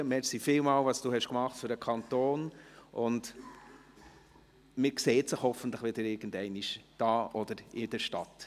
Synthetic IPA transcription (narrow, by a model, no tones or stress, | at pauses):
əmɛɾsifɪlmɑːlvɑsd̥uːhɛʃkmɑχtføɾəkʰɑnt̪oːnʔʊnd | mɪɾkseːtsəχhɔfən̩tləχʋɪd̥əɾɪɾɡ̥ən̩dɛɪniʃd̥ɑːʔɔd̥əɾɪd̥ɛɾʃtɑ̰t